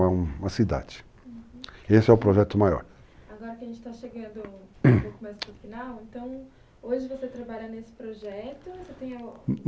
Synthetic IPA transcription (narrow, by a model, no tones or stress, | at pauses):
ɐũmɐsid̪a̰d͡ʒɪ̥ | esɪɛʊpɾoʒɛt̪ʊmajɔ̰ɾ | aɡɔɾɐkɪɐʒẽnt͡ʃɪ̥t̪aʃeɡɐ̃nd̪ʊokʊmajzpɾʊɾfinawẽnt̪ɐ̃w̃ | oʒɪvoset̪ɾabaʎɐnesɪ̥pɾoʒɛt̪ʊset̪ẽj̃ɐ